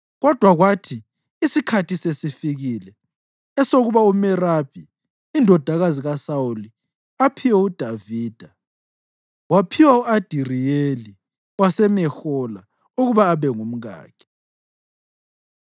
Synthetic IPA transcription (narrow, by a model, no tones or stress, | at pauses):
ɣɔd̥ʱwaɣwatʰi | isikʰatisesifiɣiːlɛ | ɛsoɣuβaumɛrab̥ʱi | indʱɔd̥ʱaɣaziɣasauli | apʰiwɛud̥ʱaviːd̥ʱa | wapʰiwauad̥ʱirijeli | wasɛmɛxɔla̰ | uɣuβaːβɛŋum̩ɣa̰ːkʰɛ̥